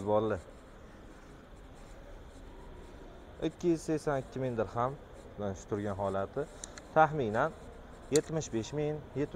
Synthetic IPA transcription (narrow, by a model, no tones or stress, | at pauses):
zbɒllɪ | ɪkʲʰːɪjɪz̥sesanɪkʲʰːɪmɪnd̪ɪɾham | aʃʊ̥t̪ʰʊɾɡʲanɦɒlat̪ʰɪt̪ʰaχminan | je̞t̪mɪʃbeʃmɪŋnjet̪